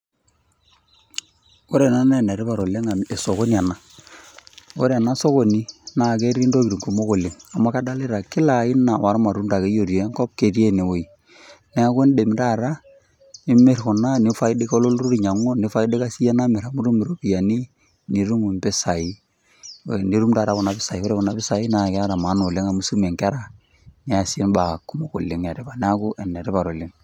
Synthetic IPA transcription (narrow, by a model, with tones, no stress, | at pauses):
o˦ɾe˨na˦nɛ˦˨ne˨ɾi˦pa˨ɾo˨le˦ŋa˨e˨so˨ko˦ni˨a˨na˨ | o˦ɾe˨na˦so˦ko˨ni˦na˨ke˦ɾi˦ndo˦ki˨ɾi˨ŋku˨mo˦ko˨le˨ŋa˨ma˦ka˦da˦lɪ˦ɾa˨kɪ˦la˨˦ɪ˦na˨wʔa˨ɾma˨ɾu˦nta˨ke˦jo˨ɾje˨˦ŋkɔ˦p̚ke˨ɾe˦ne˨wo˨i˨ | nɛ˦a˦ko˦n˦de˨m˨ta˦˨ɾa˦ | nɪ˦me˦ɾkɔ˨na˦nɪ˨˦fa˦i˦de˦ko˦lo˦lɾu˦ɾi˨ɲa˨ŋɔ˦nɪ˨˦fa˦i˦de˦ka˦si˦a˦na˦mɛ˨ɾa˨mu˦ɾu˦mi˨ɾo˦pi˨a˨ni˦ | ni˨ɾu˦mu˨mpɪ˦sa˨i˦ | ni˨˦ɾu˦mta˨ɾa˦kɔ˨na˨pɪ˦sa˨i˨wo˦ɾe˦kɔ˨na˨pɪ˦sa˨i˦na˨ka˦ɾa˨ma˨˦no˨lɪ˦ŋa˨mu˦su˦me˨ŋka˦ɾa˨ | nɛ˨a˨sɪ˦nba˨ku˦mo˨ko˨lɪ˨ŋa˨ɾɪ˦pa˨nɛ˦a˦kʊ˦ʔɛ˨nɛ˨ɾɪ˦pa˨ɾo˨lɪ˦ŋ